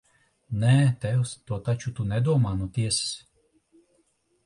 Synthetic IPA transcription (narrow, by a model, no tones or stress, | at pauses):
nɛt̪ɛwst̪uɔt̪at͡ʃut̪unʲɛd̪uɔmaːnut̪ʲiɛss